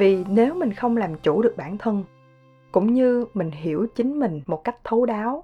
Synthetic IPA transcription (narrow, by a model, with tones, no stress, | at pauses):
vi˨˩ne˨˦wmï˨˩ŋ̟xə˧wŋ͡mlaː˨˩mt͡ɕu˧˩ɗɨ˨˩ək̚ɓaː˧˩nt̪ʰə˧n | kʊ̰˧˥ŋ͡mɲɨ˧mï˨˩ŋ̟ɦi˧˩əwt͡ɕï˨˦ŋ̟mï˨˩ŋ̟mo˨˩t̚ka˦˥jk̚t̪ʰo˨˦ɗaː˨˦w